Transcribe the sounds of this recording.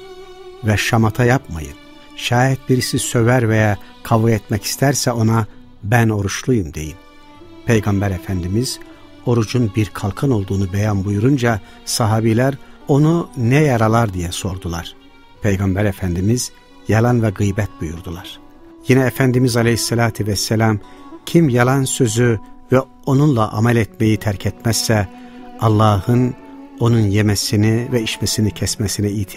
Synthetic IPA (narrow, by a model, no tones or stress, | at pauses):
vɛʃamat̪ʰajapma̰jɯ̰n | ʃaːjit̪̚biɾisisø̞væɾvɛjakʰavuet̪mɛci̥st̪ʰæɾsɛo̞na | bæno̞ɾuʃlˠujumd̪e̞jim | pʰe̞jɡɑmbæɾefænd̪imiz̥ | o̞ɾud͡ʒunbiɾkʰalˠkʰɯno̞lˠd̪uːnubɛjanbujuɾund͡ʒa | sɑɦɑːbilʲæɾo̞nunɛjɑɾalˠaɾd̪ijɛso̞ɾd̪ulˠaɾ̥ | pʰejɡɑmbæɾefænd̪imiz̥ | jɑlˠanvɛɡɯjbɛt̪̚bujuɾd̪ulˠaɾ̥ | jinɛːfænd̪imizɑlejisːɛlʲaːt̪ʰivɛsːɛlʲamcʰimjalˠansø̞zyvɛ | o̞nunlˠaʔa̰mælʲɛt̪mejit̪ʰæɾcʰɛt̪mæz̥ːɛ | ɑlˠːɑːhɯn | o̞nunjemɛsinivɛiʃmɛsinicʰɛsmɛsinɛijt̪ʰ